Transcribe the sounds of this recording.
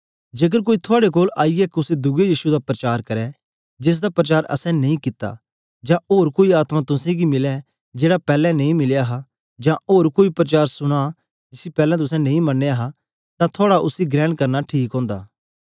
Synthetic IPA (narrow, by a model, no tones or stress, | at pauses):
d͡ʒeːk̬əɾk̬oːit̪ʰoaːɽek̬oːlaːiɛkʊsed̪ʊɡejiːʃud̪apɾɐt͡ʃaːɾkɐɾɛ | d͡ʒɪs̬d̪apɾɐt͡ʃaːɾʔɐ̰sɛ̃nɐ̃ĩkɪt̪ːa̰ | d͡ʒãʔoːɾkoːiaːt̪mat̪ʊsɛ̃ɡimɪlɛ | d͡ʒeːɽapɛːlɛ̃nɐ̃ĩmɪljaːɦa | d͡ʒãoːɾkoːipɾɐt͡ʃaːɾsʊɽ̃a | d͡ʒɪsipɛːlɛ̃t̪̬ʊsɛ̃nɐ̃ĩmɐnːeaɦa | t̪ãt̪ʰoːɽaʔʊsiɡɾɛ̃ːɳɖkɐɾnaʈʰiːkɦɔ̃ːnd̪a̰ː